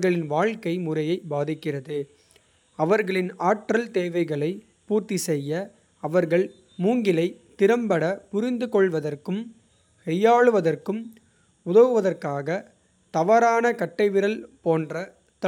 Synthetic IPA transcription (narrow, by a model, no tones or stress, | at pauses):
ɣɐɭɪnʋaːɭkɐɪmʊrɐjɐɪbaːðɪkːɪrɐðɯ | ɐʋɐɾɣɐɭɪnaːʈrɐlt̪eːʋɐɪɣɐɭɐɪ | puːrt̪isɛjːɐ | ɐʋɐɾɣɐɭ | muːŋɡɪlɐɪt̪ɪɾɐmbɐɽɐpʊɾɪnd̪ɯkɔɭʋɐðɐrkɯm | hɛjːaːɭɯʋɐðɐrkɯm | ʊðɐɣɯʋɐðɐrkaːɣɐ | t̪ɐʋaɾaːnɐkɐʈːɐɪʋɪɾɐlpoːndrɐ | t̪